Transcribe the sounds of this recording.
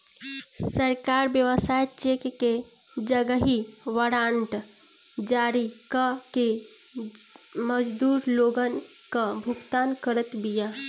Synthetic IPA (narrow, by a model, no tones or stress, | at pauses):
səɾkaɾbjəʋəsajt͡ʃekke | d͡ʒəɡəɦiʋəɽaɳʈ | d͡ʒaɾikəke | məd͡ʒd̪uɾloɡən | kəbʱuɡt̪ankəɾət̪bija